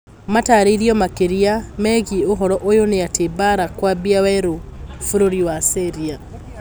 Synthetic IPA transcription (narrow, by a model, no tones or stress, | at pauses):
mataɾeiɾiɔmakeɾiamɛɣioɦɔɾɔʔojoneatʰebaɾakwabiawɛɾofoɾoɾiwaseɾia